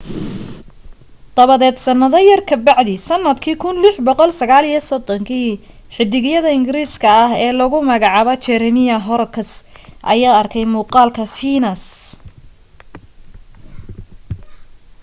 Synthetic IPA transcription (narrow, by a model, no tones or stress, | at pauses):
d̪̥ɐβɐðɛːd̪sɐnːɐðɐjɐrkʰɐbɑʕd̪isɐnːɐd̪kʰiːkʰʊnlɪħbɔqɔlsɐɣaːlijɐsɔd̪ɔŋkʰiː | ħɪd̪ɪɣjɐðɐɪŋɡɪɾiːskʰɐɐɦɛːlɐɣʊmɐɣɑʕɑːβɐt͡ʃɛɾɛmɪjɐɦɔɾkʰɐsʔɐ̰jaːɐrkʰɛjmuːqɑːlkʰɐfiːnɐs